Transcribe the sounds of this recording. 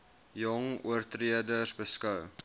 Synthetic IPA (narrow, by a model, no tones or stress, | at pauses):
jɔŋṵərtriədərsbəskəw